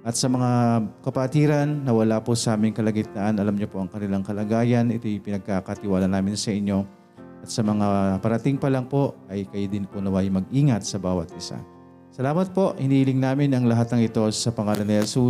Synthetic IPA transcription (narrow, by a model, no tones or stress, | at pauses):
ʔɐt̪̚sɐmɐŋakɐpɐt̪iːɾɐnːɐwɐlaposɐʔaːmɪŋkɐlɐɡɪt̪aʔɐnʔɐlamɲopo̞ʔɐŋkɐnɪlaŋkɐlaɡaːjɐnʔɪt̪o̞jpɪnɐɡ̚kaːkɐt̪ɪwaːlɐnaːmɪnsɐʔɪɲːo̞ | ʔɐt̪̚sɐmɐŋapɐɾɐt̪ɪŋpɐlɐŋpo̞ɐjkɐjod̪ɪnponɐwajmɐɡ̚ʔiːŋɐt̪̚sɐbaːwɐt̪̚ʔɪsa̰ | sɐlaːmɐt̪̚po̞ʔhɪniːhɪlɪŋnaːmɪnɐŋlɐɦat̪̚nɐŋɪt̪o̞sɐpɐŋaːlonhɛlsu